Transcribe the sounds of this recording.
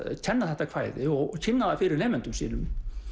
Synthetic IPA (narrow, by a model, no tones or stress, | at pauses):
cʰɛnːaθɛht̪akʰv̥ajðɪɔɣɔcʰɪnːaθafɪːɾɪɾneːmʏnt̪ʏmsḭːnʏm